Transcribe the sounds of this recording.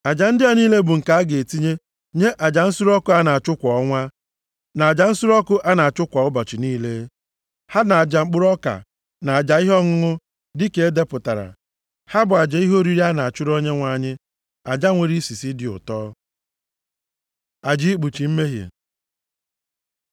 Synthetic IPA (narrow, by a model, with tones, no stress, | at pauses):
a˨d͡ʒa˨n̩˦dɪ˦a˨niː˦le˦bʊ˨ŋ̩˨ka˨a˦ɡe˨e˨ti˦ɲe˦ | ɲe˦ʔa˨d͡ʒa˨n̩˦sʊ˦ɾɔ˦kʊ˦a˦na˨a˨t͡ʃʊ˦kʷɔ˨˦ŋʷa˦ | na˨a˨d͡ʒa˨n̩˦sʊ˦ɾɔ˦kʊ˦ʔa˦na˨a˨t͡ʃʊ˦kʷɔ˨ʊ˦bɔ˨t͡ʃɪ˨niː˦le˦ | ha˦na˨a˨d͡ʒa˨ŋ͡m̩˦k͡pʊ˦ɾɔ˦ka̰˨ | na˨a˨d͡ʒa˨i˦ɦɔ˦ŋʊ˦ŋʊ˦ | dɪ˦ke˨e˦de˦pʊ˨ta˨ɾa̰˨ | ha˦bʊ˨a˨d͡ʒa˨i˦ɦo˦ɾi˦ɾi˦a˦na˨a˨t͡ʃʊ˦ɾo˦ɲe˦ŋʷa˨ɲɪ˦ | a˨d͡ʒa˦ŋʷe˨ɾi˦si˨si˦dɪ˨ʊ̰˨tɔː˦ | a˨d͡ʒi˦k͡pu˨t͡ʃi˨m̩˦me˦ɦjḛ˨